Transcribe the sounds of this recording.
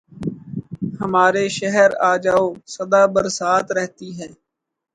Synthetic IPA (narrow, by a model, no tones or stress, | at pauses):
həmaːɾeːʃəɦəɾaːd͡ʒaːoːsəd̪aːbəɾsaːt̪ɾɛɦt̪iːɦɛː